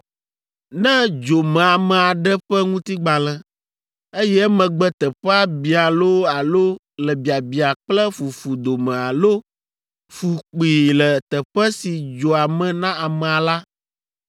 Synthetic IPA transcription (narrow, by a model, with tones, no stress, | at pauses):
nɛ̃˦d͡ʒo˨mɛ̃˨a˨mɛ̃˨a˨ɖɛ˦ɸɛ˦ŋũ˦t̪i˦ɡ͡ba˨lɛ̃˨ | e˦jɛ˦mɛ̃˨ɡ͡bɛ˦t̪ɛ˨ɸɛ˦a˦bi˨a˨lo˦a˨lo˦ | lɛ˨bi˨a˨bi˨a˨k͡plɛ˦fu˨fu˨d̪o˨mɛ̃˨a˨lo˦ | fu˨k͡pi˨lɛ˨t̪ɛ˨ɸɛ˦si˨d͡ʒo˨a˨mɛ̃˨nã˦a˨mɛ̃˨a˨la˦